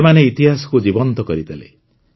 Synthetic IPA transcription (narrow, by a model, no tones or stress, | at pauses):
emaneit̪iɦasɔ̥kud͡ʒibɔnt̪ɔkɔɾit̪ʰelḛ